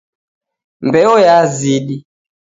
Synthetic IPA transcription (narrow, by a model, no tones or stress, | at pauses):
mbɛɔjaziɗi